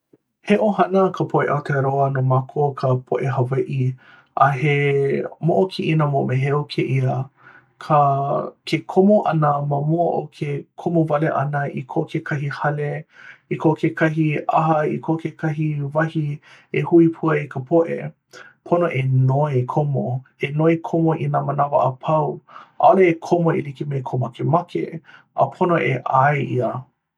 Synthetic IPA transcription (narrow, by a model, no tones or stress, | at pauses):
heʔohɐnəkʰəpʰoʔḛʔatʰeɾoɐnomakʰokʰəpʰoʔeɦaveʔi | ʔɐɦemoʔokʰiʔinəmoʔmeɦeokʰeʔiə | kʰəkʰekʰomoʔɐnəmɐmuəʔo̰kʰekʰomovɐleʔɐ̰nəʔḭkʰoʔkʰekʰɐɦihɐleikʰokʰekʰɐɦiʔɐ̰ɦɐikʰokʰekʰɐɦivɐhiehuipʰuɐikʰəpʰoʔḛ | pʰonoʔenoekʰomoenoikʰomoʔinamɐnavɐʔɐpʰɐwʔaoleekʰomoilikimejkʰomakemakʰḛʔə̰pʰonoʔeʔaeʔiə